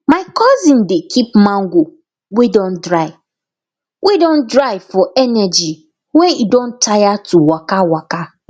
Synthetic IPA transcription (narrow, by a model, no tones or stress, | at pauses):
maɪkʰɔzĩndekʰip̚mãŋɡʷu | widɔ̃ndɹaɪ | wʔidõndɹaɪfɔɛnɛd͡ʒi | wɛ̃nidõntʰajatuwakawaka